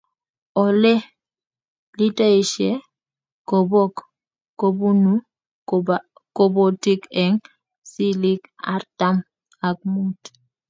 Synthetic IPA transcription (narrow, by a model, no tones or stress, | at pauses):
ɔlɛ | litaiʃe | kobok | kobunu | kobotikɛŋ | silika̰ɾtam | ak̚mut